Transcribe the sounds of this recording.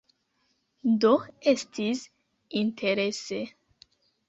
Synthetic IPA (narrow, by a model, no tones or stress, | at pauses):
d̪oest̪ʰis | ĩnt̪ʰeɾese